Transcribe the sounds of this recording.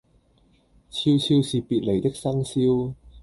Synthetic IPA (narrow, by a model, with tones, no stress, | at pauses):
t͡sʰi˧wt͡sʰiː˧wsiː˨piː˨t̚le˨˩jt̪ɪ˥k̚sɐ˥ŋsiː˥w